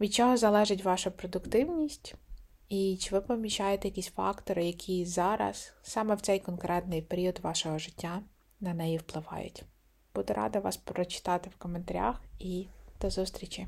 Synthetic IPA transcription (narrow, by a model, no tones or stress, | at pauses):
ʋʲid̪̚t͡ʃɔɦɔzɐlˠɛʒɪt̬ʲʋɑʃʊpɾɔd̪ʊkt̪ɪwnʲisʲtʲ | it͡ʃɪʋɪpɔmʲiʃajet̪ɛjɐkʲisʲfɑ̰kt̪ɔɾɪjɐkʲʰizɑɾɐ̰ssɑmɛwt̪sɛjkɔnkɾɛt̪nɪjpeɾʲiɔd̪ʋɑʃɔɦɔʒɪtʲːa | nɐnɛjiwplˠɪʋɑ̰jʊ̰tʲ | b̥ud̪ʊɾʔɑ̰d̪ɐʋɑ̰spɾɔt͡ʃɪ̥t̪ɑt̪ɪwkɔment̪ɐɾʲa̰xid̪̥ɔzust̪ɾʲit͡ʃʲi